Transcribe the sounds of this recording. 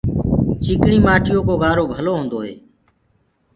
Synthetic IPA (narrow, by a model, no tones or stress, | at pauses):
t͡ʃikɳiːmaːʈʰɪjoːkoːɡaːɾoːbʱəloːɦõːnd̪oːɦḛː